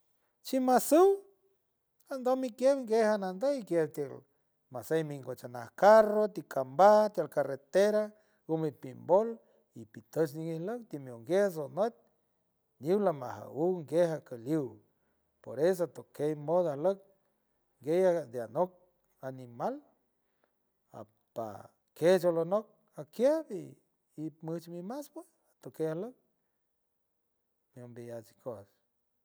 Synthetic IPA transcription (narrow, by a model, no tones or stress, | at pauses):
t͡ʃimasɨw | and̪omikjebŋɡehanand̪əikjeb̚t̪jel | masejmiŋɡot͡ʃana̰hkarot̪ikʰambat̪jalkaret̪eɾa | umipimbol | ipit̪ət͡ʃniŋihlək̚t̪imjowŋɡjes̬onwet̪̚ | niwlama̰ha̰wuwŋɡehakəliw | poɾes̬oat̪okejmod̪ahlək̚ | ŋɡejad̪eanok̚ | animal | a̰ | pa̰ | ked͡ʒolonok̚ | akjabiː | mɨt͡ʃmimasba | at̪okeahlək̚ | mjombijat͡ʃikʰos